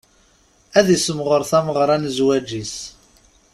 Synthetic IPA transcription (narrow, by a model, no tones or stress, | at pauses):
æðisəmʁəɾθæməʁɾˤænzwæd͡ʒis